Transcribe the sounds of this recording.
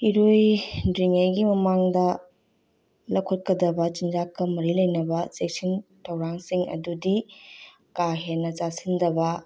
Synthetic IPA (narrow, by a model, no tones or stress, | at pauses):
iɾojdɾiŋajɡimɐmaŋdɐ | lɐkʰot̚kɐdɐbɐt͡ʃind͡ʒakːɐmɐɾilɐjnɐbɐsek̚sintʰɐwɾaŋsiŋʔɐ̰dudi | kaɦenːɐt͡ʃasindɐbɐ